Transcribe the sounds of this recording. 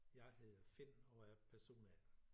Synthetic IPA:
jɑ̈ɪheðˠɐfen̰ɒ̽æɐpʰæɐso̝̰ːnæ

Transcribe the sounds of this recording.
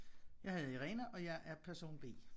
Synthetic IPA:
jɑ̈ɪhæð̩ˠiʁɛnəʔɒ̽jɑ̈ɪʔæɐpʰæɐso̝̰ːnb̥e̝̰ː

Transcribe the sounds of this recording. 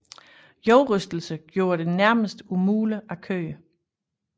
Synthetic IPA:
jɒʊʁœsd̥l̩səɡ̥jo̝ːɐɾe̝næɐməsd̥umuːləʔækʰø̰ːə

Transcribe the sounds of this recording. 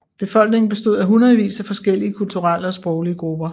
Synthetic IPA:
b̥e̝fɒ̽l̰ɡ̥ne̝ŋn̩b̥e̝sd̥o̝ð̞̰ˠæɦunʁɐðˠʋḭːsæfɒ̽sɡ̥el̰iəkʰult͡sʰuʁaləɒ̽sb̥ʁɔʊliəɡ̥ʁub̥ɐ

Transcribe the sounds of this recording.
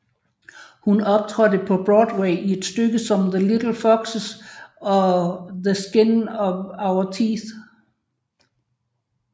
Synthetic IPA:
hunɒ̽b̥̚t͡sʰʁœd̥əpʰɒ̽b̥ʁɔːd̥weɪie̝d̥sd̥øɡ̥əsɒ̽mðəlid̥l̩ˠfɒɡ̥səsɒ̽ðəsɡ̥e̝nɒʋäʊɐt͡sʰḭːθ

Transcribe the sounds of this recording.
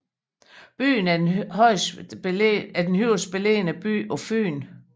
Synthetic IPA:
b̥y̰ːnhɒɪs | æd̥enhyʊ̰sb̥ele̝̰ːnəb̥y̰ːɒ̽fy̰ːn

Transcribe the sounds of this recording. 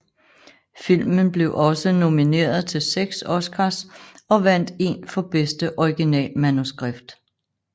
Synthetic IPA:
fil̰mənb̥le̝ʊʔɒ̽səno̝mine̝̰ːɐðˠt͡sʰe̝lseɡ̥sɒ̽skʰɑsɒ̽ʋæn̰d̥e̝̰nfɒ̽b̥esd̥əʔɒiɡ̥inɛ̰ːlmænusɡ̥ʁab̥d̥

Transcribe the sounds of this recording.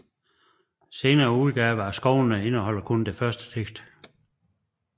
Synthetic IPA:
se̝ːnɐːuð̞ˠɡ̥ɛːʋæsɡ̥ɒʊnəe̝nəɦɒ̽l̰ɐkʰond̥efɶɐsd̥ə̥t͡sʰeɡ̥d̥

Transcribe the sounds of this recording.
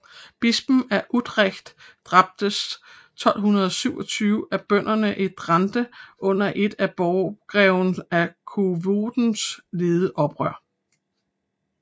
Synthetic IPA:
b̥isb̥n̩æɐʔud̥ʁeɡ̥d̥ː | ʁɑ̈b̥̚d̥əs | t͡sʰɒ̽l̰ɦunɐð̞̩ˠɒ̽syʊɒt͡sʰyːʊʔæb̥œn̰ɐnəʔe̝d̥ʁɑnd̥əʔɔ̽n̰ɐʔe̝d̥æb̥ɒʊɡ̥ʁɛʊnækʰuʋoːd̥n̩sle̝ːðˠəʔɒ̽b̥ʁœɐ̰

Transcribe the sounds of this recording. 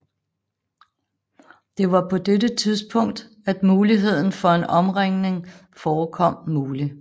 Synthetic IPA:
d̥e̝ʋɑ̈pʰɒ̽d̥edət͡sʰiðˠsb̥ʰɔ̽ŋ̰d̥ | æd̥muːliɦe̝ð̞̰ˠn̩fɒ̽e̝nɒ̽mʁaŋ̰ne̝ŋ | fɒːkʰɒ̽m̰muːli

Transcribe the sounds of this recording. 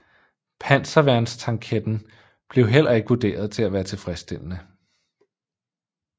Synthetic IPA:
pʰæn̰sɐʋæɐ̰nst͡sʰɑ̈ŋkʰed̥n̩ | b̥le̝ʊɦel̰ɐe̝ɡ̥ʋud̥e̝̰ːɐð̞ˠt͡sʰe̝læʋæːɐt͡sʰe̝fʁɛsd̥e̝l̰nə

